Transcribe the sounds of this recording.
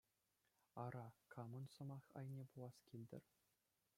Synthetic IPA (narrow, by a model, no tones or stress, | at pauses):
ɑɾɑkʰɑmɤ̆nsɤ̆mɑχɑ̰jnʲepulˠɑskʲilʲdʲɘ̰̆rʲ